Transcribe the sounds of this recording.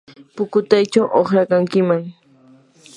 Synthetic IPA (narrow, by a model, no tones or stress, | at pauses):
pʊkʊt̪ajt͡ʃawʔoχɾakaŋkɪmaŋ